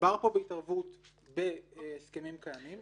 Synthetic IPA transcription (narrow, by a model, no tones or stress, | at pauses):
baʁpo̞beitaʁvut | beskemimkajamim